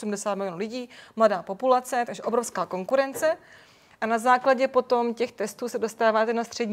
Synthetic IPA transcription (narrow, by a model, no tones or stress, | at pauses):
sumdɛsaːt̪mɪlɪonuːlɪɟiːmladaːpo̞pulat͡sɛt̪aɡʒɛʔo̞bɾo̞fskaːko̞ŋkuɾɛnt͡sɛ | ʔanazaːklaɟɛpo̞t̪o̞mcɛxt̪ɛst̪uːsɛdo̞st̪aːvaːt̪ɛnast̪r̝̥ɛdɲ